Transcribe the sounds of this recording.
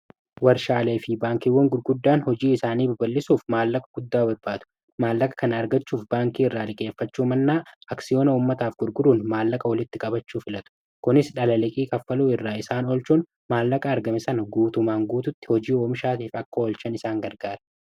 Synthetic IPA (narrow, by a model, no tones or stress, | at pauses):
wɐɾʃaːle̞ːfɪbaːŋkiːwːɔŋɡʊɾɡʊd̪ːaːnhɔd͡ʒiːɪsaːniːbɐbɐlːɪsuːfmaːlːɐkʼɐ̥ɡ̥ʊd̪ːaːbɐbːaːt̪ʊ̥ | maːlːɐkʼɐ̥kɐnɐːɾɡɐt͡ʃːuːfbaːŋkiːɪrːaːlɪkʼe̞ːfːɐt͡ʃːuːmɐnːaːɐksɪjo̞ːnɐʊːmːɐt̪aːfɡʊɾɡʊɾuːnmaːlːɐkʼɐwɐlɪt̪ːɪkʼɐbɐt͡ʃːuːfɪlɐt̪ʊ̥ | kʊnɪsᶑɐlɐlɪkʼiːkʼɐfːɐluːɪrːaːɪsaːnɔlt͡ʃuːn | maːlːɐkʼɐːɾɡɐmɪsɐnɐɡuːt̪ʊmaːŋɡuːt̪ʊt̪ːɪ̥hɔd͡ʒiːoːmɪʃaːt̪iːfɐkːɐɔlt͡ʃɐnɪsaːŋɡɐɾɡaːɾɐ̥